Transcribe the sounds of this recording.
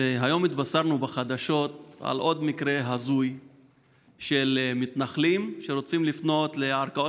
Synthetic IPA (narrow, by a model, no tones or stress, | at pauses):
eɦajo̞mit̪basaʁnubaχad̪aʃo̞t̪a̰lʔo̞d̪mikɾe̞ɦazuj | ʃelmit̪naχlimʃeɾo̞t͡simlifno̞t̪le̞aʁkao